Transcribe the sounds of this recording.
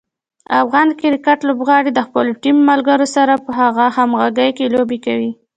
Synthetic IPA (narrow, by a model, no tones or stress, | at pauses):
afɣɑnkɪɾkaʈlobɣɑɽed̪əxpəlʈimːalɡəɾosaɾapəɦaɣahamɣaɡəjkelobekawi